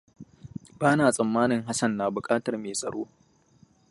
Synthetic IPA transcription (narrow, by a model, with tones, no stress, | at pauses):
baː˦naː˨sʼɐ˨mːaː˦nɪ˨ŋɦa˦sɐ˦˨nːaː˨bʊ˨kʼaː˦tɐ˨rmeː˨sʼɐ̰˨ɽoː˦